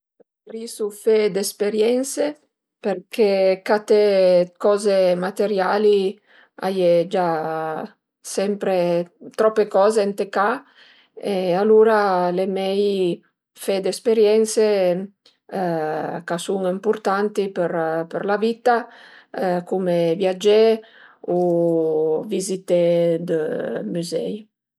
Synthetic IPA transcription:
ɾisufed̪espeɾjɛnse | perkʰekat̪ekɔːzemat̪eɾjali | a̰jed͡ʒa | sɛmpɾet̪ɾɔpːekɔːzeent̪eka | ealuɾalemɛj | fɛd̪espeɾjɛnse | kasuŋimpurt̪ant̪ipəɾpəɾlavit̪a | kumevjad͡ʒe | u | vizit̪ed̪əmyzɛ̰j

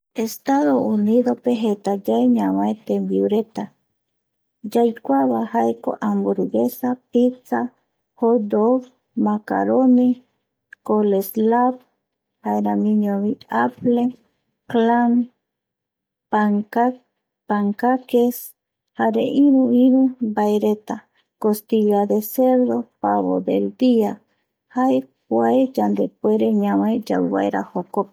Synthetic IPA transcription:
est̪aðouniðopeɦet̪ad͡ʒaeɲamaet̪embiuɾet̪a | d͡ʒajkʷaβahaeko̰ʔambuɾuɡesapit͡sa | hod̪oɡ | maka̰ɾoni | koleslab | haeɾamĩɲoβiaple | klam | paŋa | paŋkakes | haɾeʔiɾuiɾubajɾet̪a | kost̪iʎad̪eseɾðopaβo̰d̪ḛld̪ia | hajpwaed͡ʒand̪epweɾeɲamajd͡ʒa̰wwa̰jɾa̰hokop̚

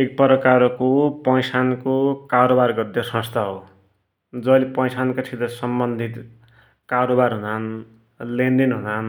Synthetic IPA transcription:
ek̚pʌɾʌkaɾkopʌjsankokaɾobarɡʌrd̪esʌ̃st̪ʰaɦo | d͡zʌlepʌjsankat͡sʰit̪ʌsʌmbʌnd̪ʱit̪ | kaɾobarɦunan | lend̪inɦunan

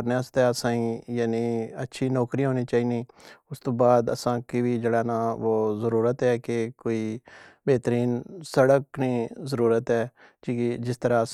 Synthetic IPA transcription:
ɾneəst̪ɛːəsãːĩːjaːniːətːʃʰiːnɔːkɾiːɦoːniːt͡ʃaːiːniːʊst̪õːbaːd̪ə̰sãːkiʋiːd͡ʒəɽaːnãːʋoːzəɾuːɾət̪ɦɛːkekoːiːbeːt̪əɾiːnsəɽəkniːzəɾuːɾət̪ɛː | kid͡ʒɪst̪əɾaːə

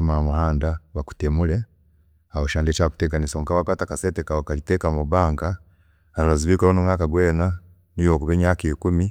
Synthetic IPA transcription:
mamuhaːndaβaku̥temule | ahoʃaːndet͡ʃaku̥teɡanisoŋkaβakwatakasetekaokalitekamuβaːŋɡa | allaziβiːklonumŋaːkaɡweːna | nijokuβeɲaːkeiːkumi

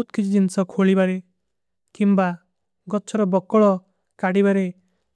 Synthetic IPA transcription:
ut̪kit͡ʃʰid͡ʒinsɔkʰoɭibaɾe | kimba | ɡɔt͡ʃʰɔɾɔbɔkːɔɭɔ | kaɽibaɾe

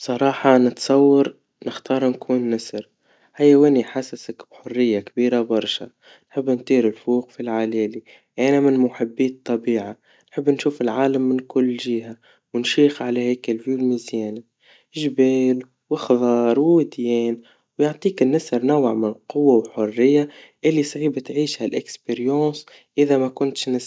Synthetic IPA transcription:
bsˤɑɾˤɑːħɑnɪt̪sˤɑwːɑɾ | nɪxt̪ɑːɾˤnkʰuːnːasɾ | hajːawɪniħasasakb̥ħʊrːɪjːakbiːɾabɑɾˤʃa̰ | nħɪbːnt̪ˤiːɾɪlfuːqfilʕalɛːli | ʔænamɪnmʊħɪbːiːt̪ˤːɑbiːʕa | nħɪbːnʃuːfɪlʕaːlamːɪnkʊlːʒiːɦa | wɪnʃiːxʕalæhɛːkɪlvjuːlmizjɛːna | ʒbɛːl | wɪxðˤɑːɾˤwɪd̪jɛːn | wjʊʕt̪ˤiːkɪnːɪsɑɾˤnaw̰ʕmɪnqʊwːawħʊrːɪjːaʔɪlːisˤʕiːbt̪ʕiːʃhælʔɪkspeɾjɑ̃ːs | ʔɪðamakʊnt̪ʃnɪs

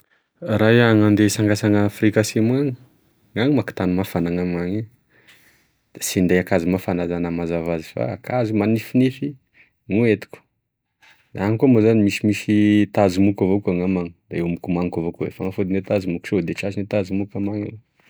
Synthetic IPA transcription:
rajaŋand̪esaŋɡasaŋafrikasimwaŋ | ŋaŋimaki̥t̪animafanaŋamaŋi | sind̪ejakazimafanazanamazavazifa̰ːkʰazumanifinifi | ŋuet̪i̥kʲu̥ | d̪aŋikomuzanimisimisit̪azimukavokaŋamaŋi̥d̪aewamukumaŋkavokuḛfa̰ŋafud̪inet̪azimuksod̪et͡ʃasinet̪azimukamaŋḭ

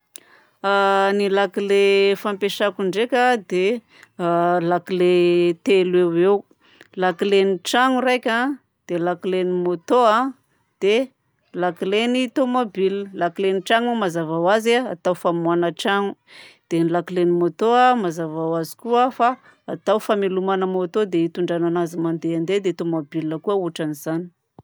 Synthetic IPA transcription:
anilakilefampeʃakuɳɖ͡ʐekʲəd̪e | lakilet̪elewew | lakileniʈ͡ʂaŋurajkʲa | d̪̥elakilenimot̪oa | d̪̥e | lakilenit̪omobiləlakileniʈ͡ʂaŋamazavawazeaa̰t̪awfamuanəʈ͡ʂaŋu̥d̪̥enilakilenimot̪oamazavawazi̥kuəfaː | t̪awfamelumanəmot̪od̪eit̪uɳɖ͡ʐananazimand̪eand̪ed̪et̪omobiləkuəuʈ͡ʂanizani̥

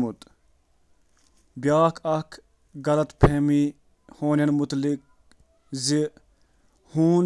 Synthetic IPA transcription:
mut̪ | bjaːkʰɐkʰ | ɡɐlɐt̪pʰeːmi | hoːnjɐnmut̪lik̚ | zi | huːn

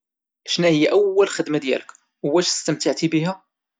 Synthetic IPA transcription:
ʔæʃnæhəjːæʔæwːælxəd̪mad̪jæ̰lək | wæʃə̥st̪əmt̪əʕt̪ibihæ

